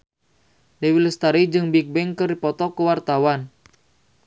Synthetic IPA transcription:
lewiləst̪aɾid͡ʒɨŋbik̚bɛŋkərdipɔt̪ɔkəwart̪awan

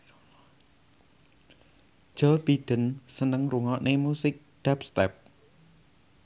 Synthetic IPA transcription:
ʒ̥ɔb̥iɖ̪̥ə̤nsənəŋɾuŋɔʔnʔemusɪk̚ɖ̪̥ɛpst̪ɛp̚

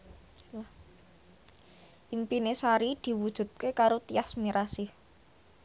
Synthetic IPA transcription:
ʔimpinesaɾid̪̥i̤wud̥ʒ̥ṳt̪̚kekaɾot̪iasmiɾasih

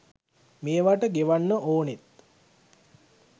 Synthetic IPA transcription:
meːʋaʈəɡeʋanːəʔoːnet̪

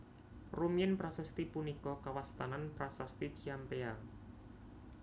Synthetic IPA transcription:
rumiɪnpɾasɛst̪ipunikɔkawast̪ananpɾasast̪it͡ʃiampea

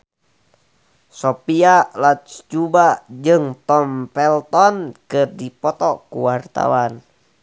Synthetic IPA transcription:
sɔpialat̪sd͡ʒubad͡ʒɨŋt̪ɔmpɛlt̪ɔnkɨrdipɔt̪ɔkuwart̪a̰wan

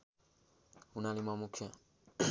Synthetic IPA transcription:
unalimamukʰa

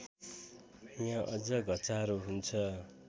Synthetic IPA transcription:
jãʔʌd͡zʌɡʱʌt͡saɾuɦunt͡sʰʌ

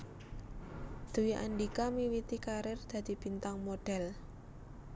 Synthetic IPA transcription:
d̪̥ṳwiʔa̰nɖikamiwit̪ikaɾɪrd̪̥ä̤d̪̥i̤b̥i̤nt̪aŋmoɖ̥ɛ̤l

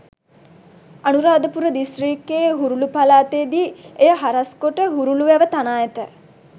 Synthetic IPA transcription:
anuɾaːd̪əpuɾəd̪isʈriːkːeːɦuɾulupalaːt̪ed̪iːejəɦaɾɐskoʈəɦuɾuluʋæʋət̪anaːjet̪ə

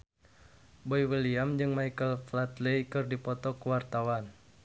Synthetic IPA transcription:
boiwiliamd͡ʒɨŋmaikəlflat̪lejkɨrdipɔt̪ɔkuwart̪awan

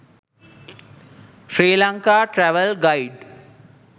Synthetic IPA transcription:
ʃɾiːlaŋkaːʈɾæʋəlɡajɖ

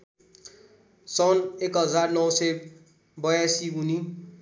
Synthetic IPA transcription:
sʌnekɦʌd͡zarnʌwsʌj | bʌjasiuni

